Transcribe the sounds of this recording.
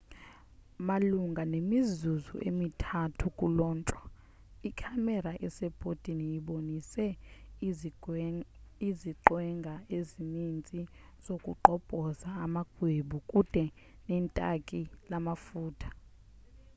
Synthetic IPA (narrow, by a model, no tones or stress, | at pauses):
maluŋɡʱanemizuzṵʔemitʰatʰukʼulɔːnt͡ʃʼɔ | ikʰamɛɾaʔɛsɛb̥ʱotʼinijiɓonisɛ | iziǃwɛŋɡʱaezinint͡sʼi | z̥okʼuǃɔb̥ʼʱɔzaːmaɡ̥ʱweɓukʼud̥ʱɛ | nɛntʼakʼilamafuːtʰḁ